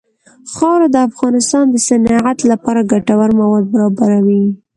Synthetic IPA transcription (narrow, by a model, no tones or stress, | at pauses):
xɑwɾad̪əafɣɑnɪst̪ɑnd̪əsanɑʕat̪lapɑɾaɡaʈawaɾmawɑd̪̚baɾɑbaɾawi